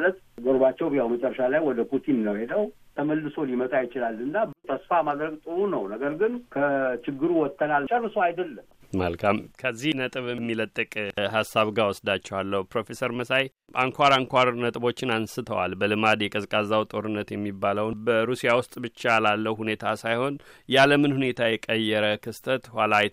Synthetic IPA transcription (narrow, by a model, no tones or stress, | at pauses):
lət̪ | ɡəɾbat͡ʃːɛwbjawmət͡ʃʼɛrːəʃalajwɔd̪əpʰut̪ʰinːəwhe̞d̪əw | t̪ʰəməlːɨsolimət̪ʼajɪt͡ʃɪlalːɨnːat̪ʰəsfamad̪ɾəɡt̪ʼɨɾunəwnəɡəɾɡɨnkʰət͡ʃɪɡːɨɾuwɔt̪ʰːənalt͡ʃʼərːɨsoajd̪əlːəmməlkʰamkʰəzːihnət̪ʼɨβɛmːilət̪ʼːɨkʼɦasːaβɡawɔsd̪at͡ʃːɛwalːəhupɾo̞fe̞səɾməsaj | ʔaŋkʰʷaɾaŋkʷaɾnət̪ʼbo̞t͡ʃːɪnansɨt̪ʰəwa̰lbəlɨmad̪jɛkʼəzkʼazawt̪ʼo̞ɾɨnːət̪jɛmːibːaləwbəɾusijawʊst̪ʼbɨt͡ʃːalalːəhune̞t̪ʰasajho̞njaləmɨnhune̞t̪ʰajɛkʼəjːɛɾəkʰɨst̪ʰət̪walaj